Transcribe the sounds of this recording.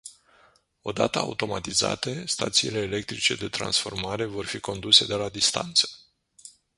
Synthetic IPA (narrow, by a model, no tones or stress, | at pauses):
o̞d̪a̰t̪əa̰ut̪o̞mat̪iza̰t̪e̞st̪a̰t̪siile̞ːle̞k̚t̪ɾit͡ʃe̞̰d̪e̞t̪ɾa̰nsfo̞̰rmaɾe̞vo̞rfiko̞nd̪use̞d̪e̞lad̪ist̪a̰nt̪sə̥